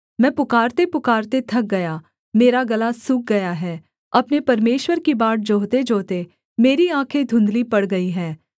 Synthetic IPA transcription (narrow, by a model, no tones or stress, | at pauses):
mɛ̃ːpʊkaːɾt̪epʊkaːɾt̪et̪ʰɐk̚ɡɐjaː | meːɾaɡɐlasʊk̚ɡɐjaɦɛː | ɐpnepɐɾmeːʃwəɾkibaːʈ̚d͡ʒoːt̪ed͡ʒoːt̪e | meːɾiãːkʰed̪ʱʊ̃nd̪lipɐɽɡɐiɦɛː